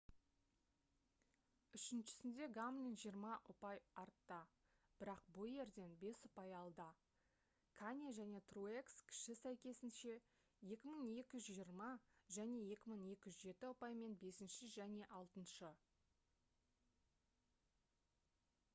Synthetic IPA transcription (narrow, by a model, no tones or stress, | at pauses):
ʏʃɪnʃɪ̥sɪnd̪e̞ɡamnenʒijəɾmɑʔʊpɑjɑɾt̪ːə | b̥ɪɾɑq̚bʊlˠje̞ɾd̪e̞nbe̞sʊpɑjɑlˠd̪ə | kʰanʲaʒæne̞t̪ruekskʲʰɪ̥ʃɪsæjkʲe̞sɪnʃe̞ | je̞kʲɪməɴe̞kʲɪʒʒijəɾmɑʒæne̞je̞kʲɪməɴe̞kʲɪʒʒe̞t̪ɪʊpɑjme̞nbe̞sɪnʃɪʒæne̞ʔɑlˠt̪ənʃə